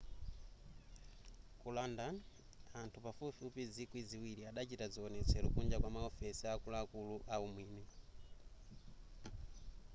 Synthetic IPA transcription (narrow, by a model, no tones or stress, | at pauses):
kulanda | antʰupafufupizikwiziwiɾiaɗat͡ʃitaziɔnɛt͡sʰɛɾukund͡ʒakwamaɔfɛsiakulaːkuluʔaumwiːnɛ